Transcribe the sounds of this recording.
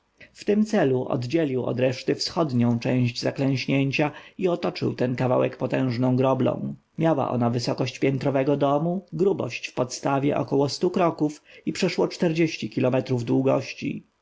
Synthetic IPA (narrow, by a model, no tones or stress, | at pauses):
ft̪ɘmt̪sɛluʔɔ̰d̪d͡ʑelʲiwɔ̰d̪ɾɛʂt̪ɘfsxɔd̪ɲɔ̃w̃t͡ʂɛ̃w̃ʑd͡ʑzaklɛ̃w̃ɕɲeɲt͡ɕaiɔt̪ɔt͡ʂɘ̰wt̪ɛnkava̰wɛkpɔt̪ɛ̃w̃ʐnɔ̃w̃ɡɾɔblɔ̰̃w̃ | mʲjawa̰ʔɔ̰navɘsɔkɔɕt͡ɕpʲjɛnt̪ɾɔvɛɡɔd̪ɔmuɡɾubɔ̰ɕt͡ɕfpɔt̪st̪avʲjɛ̰ʔɔ̰kɔwɔst̪ukɾɔkufipʂɛʂwɔt͡ʂt̪ɛɾd͡ʑeɕt͡ɕikʲilɔmɛt̪ɾuvd̪wuɡɔɕt͡ɕḭ